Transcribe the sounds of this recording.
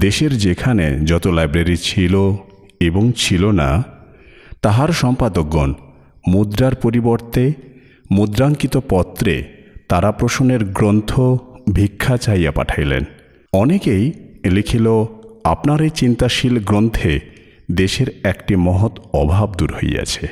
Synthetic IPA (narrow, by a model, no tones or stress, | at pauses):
d̪eʃeɾd͡ʑekʰanḛd͡ʑɔt̪olajbɾaɾit͡ɕʰilo | eboŋt͡ɕʰilona̰ | t̪aɦaɾʃɔmpad̪ok̚ːon | mud̪ɾaɾpoɾiboɾt̪e | mud̪ɾaŋkit̪opɔt̪ːɾḛt̪aɾapɾoʃoneɾɡɾont̪ʰobʱikʰːat͡ɕajapa̰ʈʰajlḛn | ɔnekejlikʰiloapnaɾet͡ɕint̪aʃilɡɾont̪ʰe | d̪eʃeɾɛkʈimɔɦot̪ɔbʱabd̪uɾho̰ja̰t͡ɕʰe